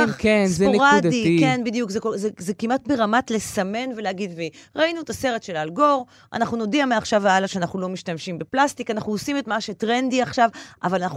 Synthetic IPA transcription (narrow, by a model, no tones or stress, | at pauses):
kenszeonʁad̪adiikenbidijukzeozezekimʔat̚beʁamatle̞same̞nve̞leaɡidviʁainuetase̞ʁet̪ʃe̞lalɡo̞ʁ | ʔa̰naχnuno̞diameaχʃavalaʃeanaχnulo̞miʃtamʃimbeplast̪ikanaχnuosimetmaʃetʁendiaχʃavʔavalanaχ